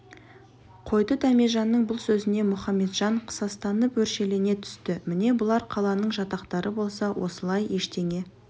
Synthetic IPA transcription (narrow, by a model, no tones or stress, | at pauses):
qʰo̞jd̪ət̪ʰæmeʒɑnːəɴbʊlˠsɵzɪne̞mʊχɑmːe̞t̪ʒ̥ɑɴqʰə̥sɑst̪ɑnəpwɵɾʃe̞le̞ne̞t̪ʰʏ̥st̪ɪmɪne̞bʊlˠɑɾqʰɑlˠɑnəɴʒɑt̪ɑqt̪ɑɾʔəbo̞lˠsɑwʔo̞̰səlˠɑje̞ʃt̪e̞ŋe̞